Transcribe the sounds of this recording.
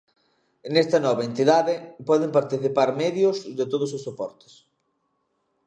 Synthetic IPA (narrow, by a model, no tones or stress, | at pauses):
nɛst̪ɐnɔβɐent̪iðaðɪpɔðɪmpaɾt̪iθipaɾmɛðjʊzðɪt̪oðʊsosopɔɾt̪e̥s